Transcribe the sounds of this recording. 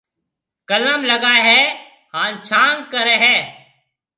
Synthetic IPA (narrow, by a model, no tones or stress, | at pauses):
kəlaːmləɡaːeɦɛː | haːnt͡ʃʰaːŋɡ̚kəɾeːɦɛː